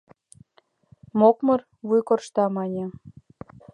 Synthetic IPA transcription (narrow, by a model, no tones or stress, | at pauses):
mokmɤ̆r | βujkorʃt̪ɑmɑnʲĕ